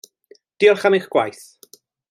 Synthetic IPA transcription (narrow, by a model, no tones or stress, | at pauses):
d̥iɔrχamiχɡ̥wa̰jθ